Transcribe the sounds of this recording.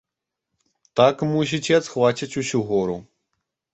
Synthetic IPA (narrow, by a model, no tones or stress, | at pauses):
t̪akmus̬ʲit͡sʲɛat̪xvat͡ɕʲit͡sʲusʲuɣɔɾu